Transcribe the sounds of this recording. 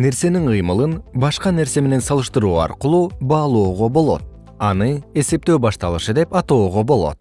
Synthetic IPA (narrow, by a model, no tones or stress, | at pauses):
ne̞ɾse̞niɴqɯjmɯlˠɯnbɑʃqɑne̞ɾse̞me̞ne̞nsɑlˠɯʃt̪ɯɾuːɑ̰ɾqɯlˠuːbɑːlˠo̞ːʁo̞bo̞lˠo̞̰t̪̚ | ɑnɯe̞se̞p̚t̪ø̞ːbɑʃt̪ɑlˠɯʃɯd̪e̞pɑt̪o̞ːʁo̞bo̞lˠo̞̰t̪̚